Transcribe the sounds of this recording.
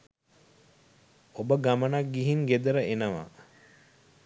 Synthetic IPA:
obəɡamənak̚ɡiɦiŋɡed̪əɾəenəʋa̰

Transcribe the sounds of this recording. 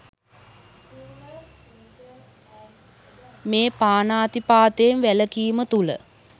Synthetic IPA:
meːpaːnaːt̪ipaːt̪eːmʋæləkiːmət̪ulə̰

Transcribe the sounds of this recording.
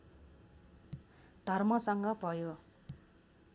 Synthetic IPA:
d̪̥ʱʌrmʌsʌŋɡʌbʱʌjo

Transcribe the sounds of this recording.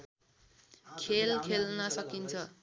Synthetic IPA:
kʰelkʰelnʌsʌkint͡sʰʌ

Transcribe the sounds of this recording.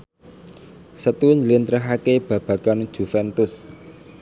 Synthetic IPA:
sət̪uɪɲd͡ʒəlint̪ɾəɦakeb̥ä̤b̥ä̤kan̥d͡ʒ̥ṳfɛnt̪ʊs

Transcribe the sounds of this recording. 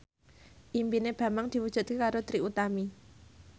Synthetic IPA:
ʔimpineb̥a̤maŋd̪̥i̤wud̥ʒ̥ṳt̪̚kekaɾot̪ɾiʔut̪ami

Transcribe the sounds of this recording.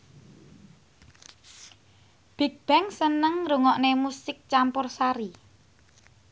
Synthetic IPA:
b̥e̤t̚b̥ɛŋsənəŋɾuŋɔʔnemusɪk̚t͡ʃampʊrsaɾi

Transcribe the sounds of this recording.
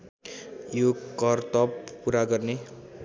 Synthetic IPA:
jokʌrt̪ʌppuɾaɡʌrne

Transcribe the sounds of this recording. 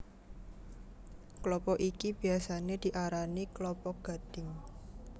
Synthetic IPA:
klɔpɔʔikib̥i̤asaned̪̥i̤ʔaɾaniklɔpɔɡ̥a̤d̪̥ɪ̤ŋ

